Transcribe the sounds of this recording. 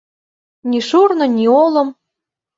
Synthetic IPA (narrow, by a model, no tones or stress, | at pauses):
nʲiʃurnɤ̆nʲiolɤ̆m